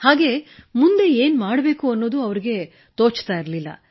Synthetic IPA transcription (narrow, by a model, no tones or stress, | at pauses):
haːɡe̞mund̪e̞eːnmaːɽbe̞ːkuɐnːo̞ːd̪uɐʋɐɾiɡe̞ | t̪oːt͡ʃt̪aːjiɾɐlilːɐ̰